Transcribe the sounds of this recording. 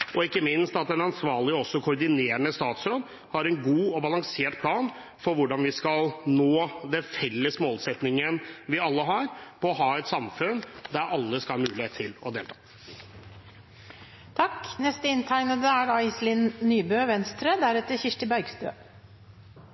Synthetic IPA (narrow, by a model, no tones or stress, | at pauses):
ɔɪkːəmɪnst̪ɑt̪̚d̪ɛnɑnsʋɑːɭɪɔsːɔkʰʊɾɖ̪ɪneːɾəɳəst̪ɑːt̪sɾoːd̪ | hɑɾɛnɡuːɔbɑlɑŋseːʈpʰlɑːn | fɔɾʋʊɖɑnʋɪskɑlnoːd̪ɛnfɛlːəsmoːlsɛt̪nɪŋənʋɪɑlːəɦɑɾpʰɔɔɦɑːɛt̪sɑmfʉnd̪æɾʔɑlːəskɑlhɑmʉːlɪheːt̪ʰːɪlɔ̰d̪eːlt̪ʰɑ̥ː | t̪ʰɑkːnɛst̪əɪnt̪ʰæɪnəd̪əæɖɑɪslɪnnyːbøːʋɛnst̪ɾəd̪æɾɛt̪ːəçɪʂʈəbœɾɡst̪ø̰ː